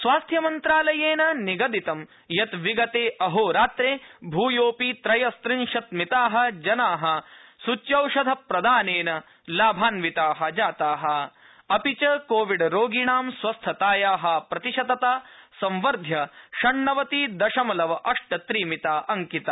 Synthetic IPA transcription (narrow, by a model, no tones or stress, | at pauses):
sʋaːst̪ʰjɐmɐnt̪ɾaːlɐjeːnɐniɡɐd̪it̪ɐm | jɐt̪ʋiɡɐt̪eːʔɐɦoːɾaːt̪ɾeːbʱuːjoːpit̪ɾɐjɐst̪ɾinʂɐt̪mit̪aːɦɐ̆d͡ʒɐnaːɦɐ̆sut͡ʃjɐwʂɐd̪ʱɐpɾɐd̪aːneːnɐ | laːbʱaːnʋit̪aːɦɐ̆d͡ʒaːt̪aːɦɐ̆ | ɐpit͡ʃɐkoːʋiɖɾoːɡiɳaːmsʋɐst̪ʰɐt̪aːjaːɦɐ̆pɾɐt̪iʃɐd̪ɐt̪aːsɐ̃mʋɐɾd̪ʱjɐʃɐɳːɐʋɐt̪iːd̪ɐʃɐmɐlɐʋɐʔɐʂʈɐt̪ɾiːmit̪aːʔɐŋkit̪a